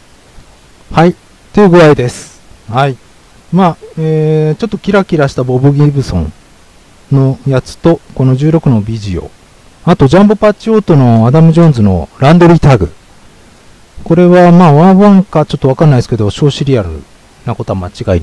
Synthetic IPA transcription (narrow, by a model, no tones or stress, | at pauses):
hai | t̪oɯ̟ɡɯ̟ɾaid̪e̞sɨ̥ | hai | maeːt͡ɕo̞t̪ːo̞̥kʲiɾakʲiɾaɕi̥t̪abo̞bɯ̟ɡʲibɯ̟sõ̞̰ɴ | no̞jat͡sɨ̥t̪o̞ko̞no̞ʑɨːɾo̞kɯ̟no̞bʲiʑio̞̰ | at̪o̞d͡ʑãmbɯ̟pat͡ɕio̞ːt̪o̞no̞ad̪amɯ̟ʑõ̞nzɨno̞̰ɾãnd̪o̞ɾʲit̪aɡɯ̟̰ | ko̞ɾe̞βamaːβãɰ̃βãŋkat͡ɕot̪ːo̞βakaɾnaiesɨ̥ke̞d̪oɕo̞ːɕiɾʲiaɾɯ̟̰ | nakot̪oamat͡ɕiɡai